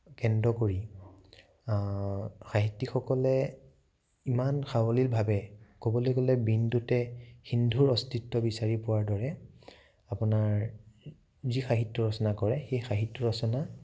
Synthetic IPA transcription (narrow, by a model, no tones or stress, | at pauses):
kɛndɔkoɹi | xaɦitːixɔkɔlɛ | imanxawɔlilbʱabɛkobɔlekɔlɛbindutɛxindʱuɹɔstitːɔbisaɹipʊwaɹdɔɹɛ | apʊnaɹ | zixaɦitːɔɹɔsɔnakɔɹɛxejxaɦitːɔɹɔsɔna